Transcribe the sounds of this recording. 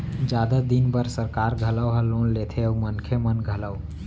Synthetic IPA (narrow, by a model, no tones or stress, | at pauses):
d͡ʒad̪ad̪inbəɾsəɾkaɾɡʱələwɦəlːonlet̪ʰeəumənkʰemənɡʱələw